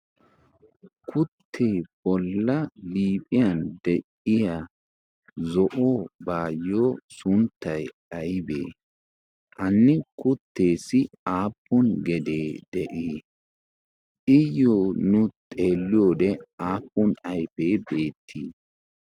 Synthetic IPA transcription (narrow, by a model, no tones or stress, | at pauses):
kʰʊt̪ʰːeːb̥ɔlːɐliːpʼɪjɐnd̪ɛʔɪja | zɔʔoːbaːjːoːsʊnt̪ːɐj | ɐjbḛː | ʔɐnːɪkʊt̪ːe̞ːsɪ | aːpːɔnɡɛd̪eːd̪̥ɛʔiː | ɪjoːnʊt̪ʼeːlːɪjoːd̪ɛaːpːɔnɐjfeːbe̞ːt̪ʰːiː